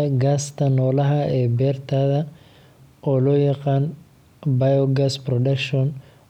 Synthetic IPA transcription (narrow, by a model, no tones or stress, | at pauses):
ɡaːst̪ʰɐnɔːlɐɦɐɛːbɛːrt̪ʰaːðɐ | ʔɔːlɔːjɑqɑːn | bɐjɔɡasprɔɖɐkʃɔn